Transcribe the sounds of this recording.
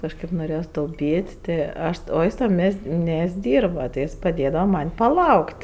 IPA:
kɐʃˈkɐɪp noːˈrʲeːjoːs tɐʊˈpʲiːtʲ ˈtʲɪ ˈɐʃ oː ˈjɪs tɐm ˈmʲiɛsʲtʲ ˈmʲiɛsʲtʲ ˈdʲiːrbɐ tʲɪ ˈjɪs pɐˈdʲeːdɐʋɐ ˈmɐnʲ pɐˈlˠɐʊkʲtʲ

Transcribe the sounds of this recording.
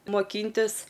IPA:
moːˈkʲiːnʲtʲɪs

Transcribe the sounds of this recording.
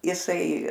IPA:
jɪˈsɐɪ

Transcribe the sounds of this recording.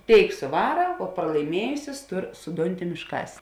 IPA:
ˈtʲeːɪk sʊˈʋɑːrɐ oː prɐlˠɐɪˈmʲiɛjʊsʲɪs ˈtʊr sʊ ˈdʊnʲˌtʲɪm ɪʃˈkɐs

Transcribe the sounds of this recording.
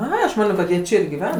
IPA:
ˈɐ ɐʃ ˈmɑːnʲoː kɐt ˈjiɛ ˈt͡ʃʲɛ ɪr ɡʲɪˈʋʲɛn

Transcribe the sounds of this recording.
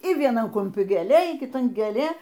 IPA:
iː ʋʲiɛˈnɐn kʊmʲˈpʲɪ ɡʲeːˈlʲeː iː kʲɪˈtɐn ɡʲeːˈlʲeː

